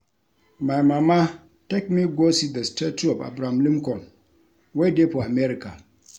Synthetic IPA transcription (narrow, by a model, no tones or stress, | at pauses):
majmama | tɛk̚miɡosid̪əstetɔpa̰bɾamlimkɔn | wedepoameɾika